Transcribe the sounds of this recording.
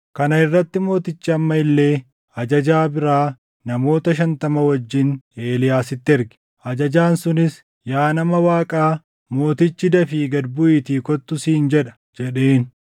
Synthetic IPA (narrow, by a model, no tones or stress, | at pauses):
kɐnɐɪrːɐt̪ːɪmo̞ːt̪ɪt͡ʃːɪɐmːɐɪlːe̞ː | ɐd͡ʒɐd͡ʒaːbɪɾaː | nɐmo̞ːt̪ɐʃɐnt̪ɐmɐwɐd͡ʒːɪne̞ːlɪjaːsɪt̪ːɪɛɾɡɪ̥ | ʔɐd͡ʒɐd͡ʒaːnsʊnɪs | jaːnɐmɐwaːkʼaː | mo̞ːt̪ɪt͡ʃːɪd̪ɐfiɡɐd̪bʊiːt̪iːkɔt̪ːʊsiːnd͡ʒɛᶑɐ̥ | d͡ʒɛɗeːn